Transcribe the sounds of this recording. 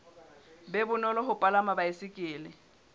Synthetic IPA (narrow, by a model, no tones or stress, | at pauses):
bɛbʊnɔlɔɦʊpʼalamabaɪsɪkʼɪːlɪ